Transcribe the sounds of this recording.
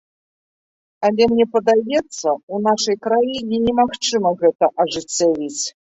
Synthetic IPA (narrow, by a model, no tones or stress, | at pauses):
alʲɛmnʲɛpɐd̪ajɛt̪sːɐunaʂɐjkɾajinʲɛnʲɛmaxt͡ʂɨmɐɣɛt̪ɐʔɐʐɨt͡sʲːavʲit͡sʲ